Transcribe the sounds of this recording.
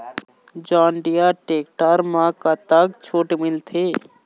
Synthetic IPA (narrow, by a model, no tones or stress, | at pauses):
d͡ʒãːɳɖijaʈeːk̚ʈaːɾmãkat̪ak̚t͡ʃʰoːʈemɪlt̪ʰeː